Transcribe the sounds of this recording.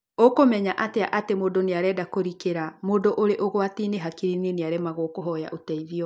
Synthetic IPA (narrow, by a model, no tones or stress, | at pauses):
okomɛɲaʔateaʔatemoːdoneaɾɛdakoɾikeɾamoːdoʔoɾeʔoɣwatiːneɦakiɾineneaɾemaɣokoɦɔja̰ʔotɛiðiɔ